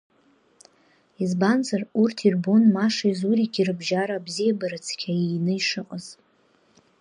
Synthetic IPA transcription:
izbanzarurtʰirbo̞nmaʂaizuɾiɡʲirɨbʒaɾaːbzijabaɾɨt͡sʰkʲʰainɨiʂɨqʼəz̥

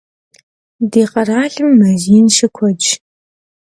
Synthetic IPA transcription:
deːqɐraːɮɨmːɐziːnʃɪkʷʰɔd͡ʒ

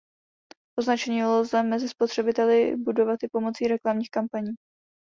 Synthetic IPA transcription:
ʔo̞znat͡ʃɛɲɪolozɛmɛzɪspo̞t̪r̝̥ɛbɪt̪ɛlɪbudo̞vat̪ʔɪpo̞mo̞t͡siːɾɛklamɲiːxkampaɲiː

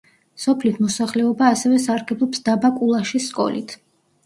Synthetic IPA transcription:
sɔpʰlit̪ʰmɔsaχlɛɔbaːsɛvɛsaɾɡɛblˠɔpsd̪abakʼulˠaʃiskʼɔ̰lḭt̪ʰ

